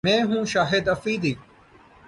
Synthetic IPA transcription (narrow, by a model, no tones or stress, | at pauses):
mɛ̃ːɦũːʃaːɦed̪ɐfiːd̪iː